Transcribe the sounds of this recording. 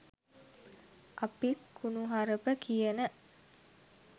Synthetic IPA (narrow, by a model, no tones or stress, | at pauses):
ʔapikːunuɦaɾəpəkʰijənə